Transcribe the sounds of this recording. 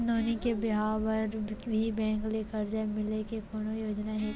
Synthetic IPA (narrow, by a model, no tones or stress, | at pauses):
d̪oːnikebɪɦaːʋəɾbʱibɛ̃ːŋkleːkɐɾd͡ʒaːemɪlekekoːnojoːd͡ʒnaɦe